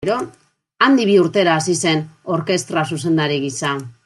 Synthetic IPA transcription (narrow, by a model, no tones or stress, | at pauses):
ɾo̞ | and̪iβ̞iuɾt̪e̞ɾaːsise̞no̞ɾke̞st̪ɾas̬us̬e̞nd̪aɾiɣisa